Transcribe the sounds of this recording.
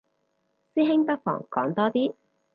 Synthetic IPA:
siː˥ɦɪ˥ŋpɐ˥k̚fɔ̰ː˨˩ŋkɔ̰ː˨˥ŋt̪ɔː˥t̪iː˥

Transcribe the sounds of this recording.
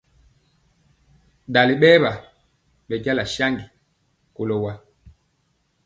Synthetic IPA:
da˨li˨ɓɛː˦βa˨ | ɓɛ˨ɟa˦la˨ʃa˦ŋɡi˨ | ko˨lɔ˨wa˦

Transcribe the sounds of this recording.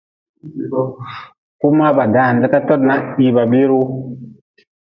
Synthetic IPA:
ku˦ma˦ba˨da˨˦˨n˨də˦ka˦tɔ˦tna˦ʔɓi˨ba˨bi˦ɾu˦

